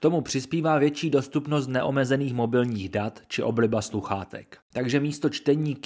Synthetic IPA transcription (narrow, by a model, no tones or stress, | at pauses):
t̪o̞mupr̝̥ɪspiːvaːvjɛt͡ʃiːdo̞st̪upno̞st̪nɛʔo̞mɛzɛniːxmo̞bɪlɲiːɣdat̪t͡ʃɪʔo̞blɪbasluxaːt̪ɛ̰kt̪aɡʒɛmiːst̪o̞t͡ʃt̪ɛɲiːk